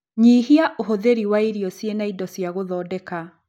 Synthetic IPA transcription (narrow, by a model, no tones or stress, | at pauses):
ɲiːɦiaʔoɦoðeɾiwaiɾjɔsjenaidɔsjaɣoðɔːdɛka